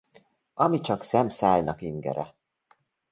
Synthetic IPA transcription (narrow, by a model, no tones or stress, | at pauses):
ɒmit͡ʃɒksɛmsaːjnɒkiŋɡɛ̰ɾɛ